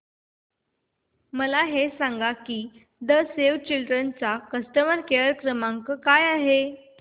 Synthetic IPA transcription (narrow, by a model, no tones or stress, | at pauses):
məlaɦesãŋɡakiː | d̪əseʋt͡ɕilɖɾənt͡sakəsʈəməɾkeəɾkɾəmaŋkəkajaɦe